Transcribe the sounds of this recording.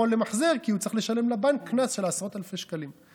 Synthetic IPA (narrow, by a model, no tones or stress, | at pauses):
olːemaħzeʁkiut͡seχle̞ʃalemlabankːnasʃe̞lasʁo̞t̪alfeʃkalim